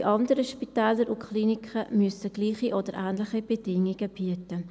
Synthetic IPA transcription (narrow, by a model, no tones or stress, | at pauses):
iʔɑndəɾəʃpitɛːləɾukχliːnikχəmyəsəɡ̥liːχiʔɔdəɾʔæːndləχib̥ɛdɪŋiɡ̥əb̥iətə